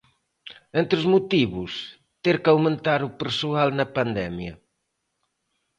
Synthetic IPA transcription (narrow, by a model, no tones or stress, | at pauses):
ent̪ɾʊzmut̪iβʊs | t̪eɾkawmẽnt̪aɾʊpeɾsualnɐpand̪ɛmjɐ